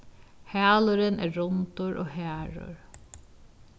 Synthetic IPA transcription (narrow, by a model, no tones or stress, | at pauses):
hæːlʊɾənæ̰ːɹɔnt̪ʊɹʔo̰ːhæːɹʊ̰ɹ